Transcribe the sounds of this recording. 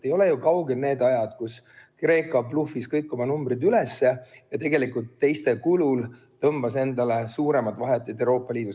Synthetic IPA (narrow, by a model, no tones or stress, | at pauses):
ejo̞lejukɑwɡelne̞ːd̪ɑjɑd̪̥kus | kre̞ːkˑɑplufiskɤjkːˑo̞mɑnumbrid̪ylesːe̞jɑt̪e̞ɡe̞likult̪ːe̞jst̪e̞kulul | t̪ɤmb̥ɑse̞nd̪ɑle̞suːɾe̞mɑd̪vɑɦet̪ːˑud̪ewɾo̞ːpːˑɑlʲiːd̪u